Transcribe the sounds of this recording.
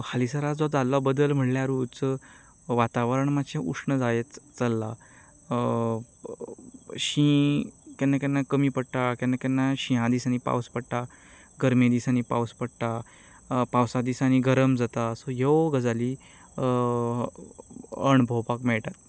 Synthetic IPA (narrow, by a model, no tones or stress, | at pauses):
halisəɾad͡zɔd͡zalːɔbəd̪əlm̤əʈljaɾut͡sə | ʋat̪aʋəɾəɳmaɕẽʔukʂɳəd͡zajet̪t͡səlːa | ɕĩkɛnːakɛnːakəmiːpəɽʈakɛnːakɛnːaɕĩɦãd̪iːsañipa̰wspəɽʈa | ɡəɾmẽd̪isañipa̰wspəɽʈ̪a | pawsad̪isañiɡəɾəmd͡zat̪asɔɦeʋɡəd͡zali | əɳbʱowpakmɛɭʈat̪̚